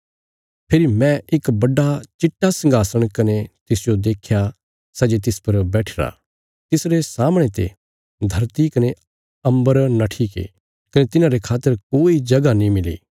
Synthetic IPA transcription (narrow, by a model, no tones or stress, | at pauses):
pʰɪɾimɛ̃ʔɪkbɐɖːat͡ʃɪʈːasɐ̃ŋɡaːsəɽ̃kɐnet̪ɪsd͡ʒod̪eːkʰja | sɐd͡ʒet̪̬ɪspɐɾbɛːʈʰeɾa̰ | t̪ɪsɾesaːmɽ̃et̪ḛ | d̪ʱɐɾt̪ikɐne | ɐ̃mbəɾnaʈʰiːkḛ | kɐnet̪ɪnãɾekʰaːt̪ːəɾkoːid͡ʒɐɡanĩmɪlḛː